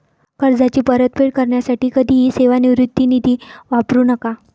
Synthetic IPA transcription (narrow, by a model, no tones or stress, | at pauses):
kəɾd͡zat͡ɕiːpəɾət̪̚pʰeɽkəɾɳjasaʈiːkəd̪ʱiːɦiseʋaniʋɾut̪ːinid̪ʱiːʋapɾuːnəka